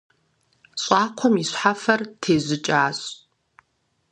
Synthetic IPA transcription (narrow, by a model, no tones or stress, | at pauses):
ɕʼɑːkʷʰɔmiɕħafɐrtʰeːzʷɪt͡ʃʼaːɕʼ